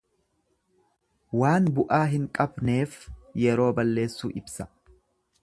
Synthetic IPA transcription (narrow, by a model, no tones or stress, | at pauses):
waːnbʊʔaːɦɪŋkʼɐbne̞ːfjɛɾo̞ːbɐlːe̞ːsːuːʔɪbsɐ̥